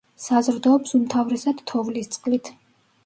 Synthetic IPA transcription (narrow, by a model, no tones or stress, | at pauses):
sazɾd̪ɔːpsumt̪ʰavɾɛsad̪̥t̪ʰɔvlist̪sʼqʼlit̪ʰ